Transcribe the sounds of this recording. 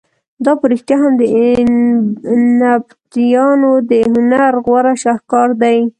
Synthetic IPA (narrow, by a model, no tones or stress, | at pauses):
d̪ɑpəɾɪxt̪jaɦamd̪ə | nabt̪ijɑnod̪əhʊnaɾɣwaɾaʃahkɑɾd̪aj